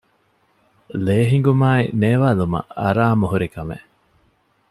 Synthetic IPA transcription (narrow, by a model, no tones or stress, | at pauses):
leːɦiŋ̆ɡumaːineːʋaːlumɐ̰ɐ̰ɾaːmuɦuɾikɐmḛ